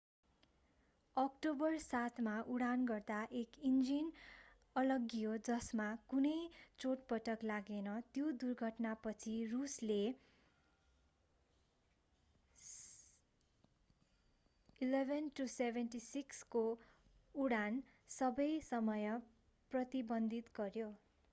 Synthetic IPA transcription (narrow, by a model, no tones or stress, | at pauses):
ʌkʈobʌrsat̪ʰmaʔuɽanɡʌrd̪aʔekind͡zin | ʌlʌɡijod͡zʌsmakunʌjt͡soʈ̚pʌʈʌklaɡenʌt̪jod̪urɡʱʌʈnapʌt͡sʰirusle | ilebʱenʈusebʱenʈisiksko | uɽan | sʌbʌjsʌmʌjʌ | prʌt̪ibʌnd̪ʱit̪ɡʌrjo